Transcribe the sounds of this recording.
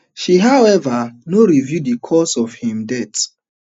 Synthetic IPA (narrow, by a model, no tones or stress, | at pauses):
ʃiɦaʊɛvənoɹivjudikʰɔsɔv̥hĩmdɛt